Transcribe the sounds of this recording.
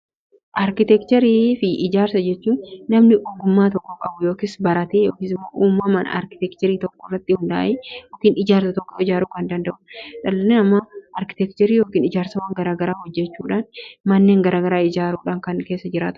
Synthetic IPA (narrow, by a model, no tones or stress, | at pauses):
ʔɐɾkɪt̪ɛkt͡ʃ̪ɛɾiːfɪʔɪd͡ʒaːɾsɐd͡ʒɛt͡ʃːuːnːɐmnɪʔoɡʊmːaːt̪̬ɔkːɔkʼɐbʊjoːkɪsbɐɾɐt̪eːjo̞ːkisɪmːo̰ːʔuːmːɐmɐn̰ɐ̰ɾkɪ̥t̪ɛkt͡ʃ̪ɛɾiːt̪ɔkːɔrːɐt̪ːɪhʊnd̪ɐʔa̰ʔeːjoːkiːnɪd͡ʒaːɾsɐt̪ɔkːɔɪd͡ʒaːɾuːkɐnd̪ɐnd̪ɐʔʊᶑɐlɐnɛnɐmːɐʔɐɾkɪ̥t̪ɛkt͡ʃ̪ɛɾiːjo̞ːkiːnɪd͡ʒaːɾsɐwaːŋɡɐɾaːɡɐɾaːhɔd͡ʒːɛt͡ʃːuːᶑaːnmɐnːe̞ːŋɡɐɾaːɡɐɾaːɪd͡ʒaːɾuːᶑaːŋkɐnke̞ːsːɐd͡ʒɪɾaːt̪ʊ